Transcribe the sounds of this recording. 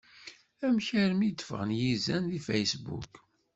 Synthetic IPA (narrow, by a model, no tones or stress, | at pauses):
æmçæɾmid̪fʁənjizænðifæjsbṵk